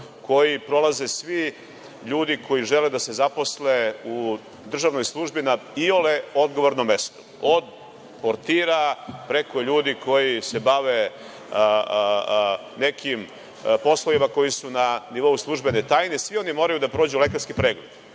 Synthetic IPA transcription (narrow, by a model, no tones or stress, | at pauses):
kʰo̞jipɾo̞laze̞sʋi | ʎuːd̪ikʰo̞jiʒeled̪ase̞zapo̞sleu | d̪r̩ʒaʋnojslˠuʒbinaioleo̞d̪ɡo̞ʋo̞ɾnomːe̞st̪o̥ | od̪ | poɾt̪iːɾapɾe̞ko̞ʎuːd̪iko̞jise̞baʋe | ne̞kʰim | po̞sloimako̞jisunaniʋo̞uslˠuʒbenet̪aːjnesvʋio̞nimo̞ːɾajud̪apɾoːd͡ʑule̞kaɾskipɾeːɡled̪